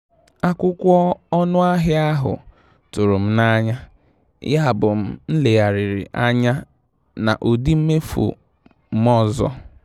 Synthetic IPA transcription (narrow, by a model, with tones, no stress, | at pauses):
a˦kʷʊ˦kʷɔ˦ɔ˦nʊ˦a˦ɦɪ˦a˦ɦʊ̰˨ | tʊ˨ɾʊ˨m̩˦na˦ɲa˦ | ja˦a˨bʊ˨m̩˦n̩˦le˨ɣa˨ɾɪ˨ɾɪ˨ʔa˦ɲa˦ | na̰˨ʔo˨di˦m̩˦me˦fṵ˨ | m̩˦mɔ˦zɔ̰˦